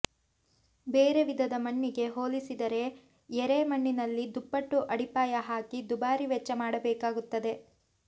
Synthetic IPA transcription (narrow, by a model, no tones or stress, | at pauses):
beːɾe̞ʋid̪ʱɐd̪ɐmɐɳːiɡe̞ɦo̞ːlisid̪ɐɾe̞ | ɛɾemɐɳːinɐlːid̪upːɐʈːuʔɐɽipaːjɐɦaːkid̪ubaːɾiʋɛt͡ʃːɐmaːɽɐbɛːkaːɡut̪ːɐd̪e̞